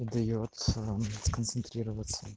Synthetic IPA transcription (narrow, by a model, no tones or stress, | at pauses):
id̪ɐjot̪skənt̪sɨnt̪ɾʲiɾəvət̪sːə